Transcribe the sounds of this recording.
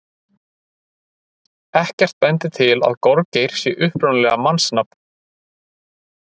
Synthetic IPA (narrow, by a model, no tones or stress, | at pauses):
ɛhcɛr̥t̪̚pɛnt̪ɪt̪ʰɪla̰ðkɔɾcejɾ̥sjɛʔʏhpɾɔnlɛɣamansnapn